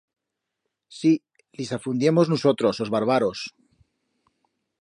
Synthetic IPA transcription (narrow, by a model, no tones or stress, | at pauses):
si | lisafund̪jemoznusot̪ɾo̞sozβaɾβaɾo̞s